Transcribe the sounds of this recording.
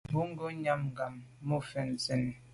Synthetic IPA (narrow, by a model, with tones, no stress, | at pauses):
bu˦ŋ̩˦ɡo˦ɲa˦m˨ɡa˨mːo˦fɛ˨n˨ze˨n˨